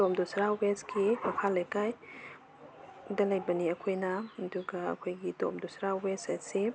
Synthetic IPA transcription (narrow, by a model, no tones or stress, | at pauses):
tomdusɾawesɡimɐkʰalɐjkaj | dɐlɐjbɐniɐkʰojnɐːduɡɐɐ̰kʰojɡito̰mdusɾawesɐsi